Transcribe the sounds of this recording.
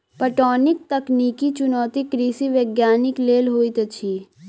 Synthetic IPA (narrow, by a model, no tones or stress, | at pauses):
pəʈɔːnɪk̚t̪ɐkniːkit͡ʃʊnɔːt̪ikɾiːsiʋeɡjaːnɪkleːlɦoːit̪ɐt͡ʃʰiː